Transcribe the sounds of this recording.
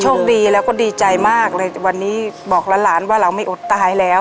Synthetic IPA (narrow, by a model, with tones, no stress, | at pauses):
t͡ɕʰu˥˩ŋdiː˧lɛː˦˥wkɔː˥˩diː˧t͡ɕa˧jmaː˥˩k̚lɤː˧jwa˧nːiː˦˥bɔː˨˩k̚laː˧˥laː˩˦nwaː˥˩ɾa˧wma˥˩jʔo˨˩t̪ːa˧ɦaː˨˩˦jlɛː˦˥w